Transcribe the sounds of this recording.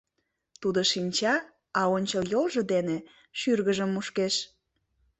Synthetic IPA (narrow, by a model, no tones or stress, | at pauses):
t̪ud̪oʃinʲt͡ɕɑ | ɑonʲt͡ɕəljolʒɤ̆d̪ene | ʃyrɣəʒəmːuʃkeʃ